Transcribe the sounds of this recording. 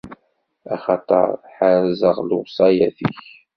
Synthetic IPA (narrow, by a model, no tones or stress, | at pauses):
ɑχɑt̪ˤɑ̰ɾˤħanzəʁlʊsˤɑjæθḭç